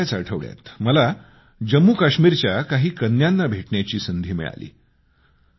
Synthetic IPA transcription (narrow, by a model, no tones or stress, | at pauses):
at͡saʈʰəʋɭja̰t̪məla | d͡ʑəmːukaɕmiːɾt͡ɕjakaɦiːkənːjanːabʱeʈɳjat͡ɕiːsənd̪ʱiːmḭɭa̰lḭː